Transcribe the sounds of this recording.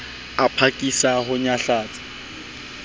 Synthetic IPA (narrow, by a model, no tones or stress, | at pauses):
apʰakʼisahʊɲaɬaːt͡sʼḁ